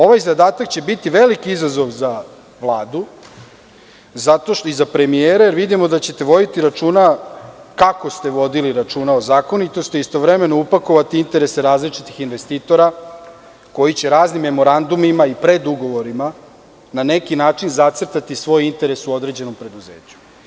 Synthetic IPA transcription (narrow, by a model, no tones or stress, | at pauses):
o̞ʋajzad̪aːt̪akt͡ɕe̞bit̪iʋe̞likiizazo̞ʋza | ʋlˠaːd̪u | zat̪oʃt̪izapɾe̞mieːɾajeɾʋid̪imo̞d̪at͡ɕe̞t̪e̞ʋo̞d̪it̪iɾat͡ʃuːnakako̞st̪e̞ʋo̞d̪iliɾat͡ʃuːnaozaːko̞nit̪o̞st̪iist̪o̞ʋɾe̞me̞noupako̞ʋat̪iint̪e̞ɾe̞seɾaːzlit͡ʃit̪ixinʋe̞st̪iːt̪o̞ɾa | ko̞jit͡ɕe̞ɾaːznimːe̞mo̞ɾand̪umimaipɾe̞d̪uɡo̞ʋo̞ɾima | nane̞kinaːt͡ʃinzat̪srt̪at̪isʋo̞jint̪e̞ɾesuo̞d̪ɾe̞d͡ʑe̞no̞mpɾe̞d̪uze̞̰ːt͡ɕu̥